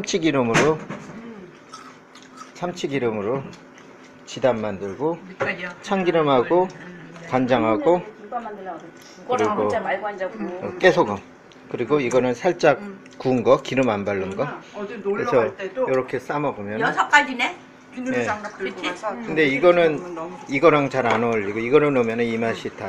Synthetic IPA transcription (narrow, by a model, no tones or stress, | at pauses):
amt͡ɕʰiɡiɾɯmɯɾo | sʰamt͡ɕʰiɡiɾɯmɯɾo | t͡ɕidanːandɯɭɡo | t͡ɕʰaŋɡiɾɯmɦaɡokand͡ʑaŋɦaɡo | kɯɾiɡo | ɯk͈e̞sʰoɡʌ | kɯɾiɡoiɡʌnɯnsʰaɭt͡ɕ͈ak̚ | kuːnɡʌkiɾɯmanbaɭːɯnɡʌesʰʌjʌɾʌkʰe̞s͈amʌbomjʌnnʰk͈aɡine | e̞ | kɯnde̞iɡʌnɯniɡʌɾaŋt͡ɕaɾanʌʎːiɡoiɡʌnɯnomjʌnɯnimaɕʰitʰa